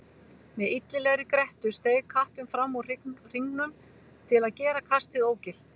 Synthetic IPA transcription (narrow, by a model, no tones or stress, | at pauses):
mɛðit̪lɪlɛɣɾɪkɾɛht̪ʏst̪eːjkʰahpɪmfɾamːarr̥iŋnʏm | t̪ʰɪlaðcɛːɾakʰast̪ɪɣoːwcɪl